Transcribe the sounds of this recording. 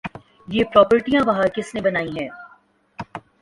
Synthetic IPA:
jeːpɾɔːpəɾʈijãʋɐɦakɪsnebɐnaːiɦɛ̃ː

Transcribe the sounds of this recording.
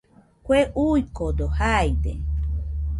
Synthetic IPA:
kʷeʔujkod̪ohajd̪e

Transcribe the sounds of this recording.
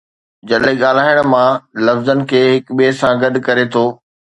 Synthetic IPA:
d͡ʑɐɗɦiɠaːl̤aːɪəɽ̃mãlɐfzənɪ̆kʰeːɦɪkɓiesãɡɐɗ̆kɐɾet̪ʰoː

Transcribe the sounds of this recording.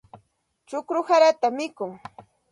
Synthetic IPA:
t͡ʃʊkɾʊhaɾat̪amɪkʊŋ

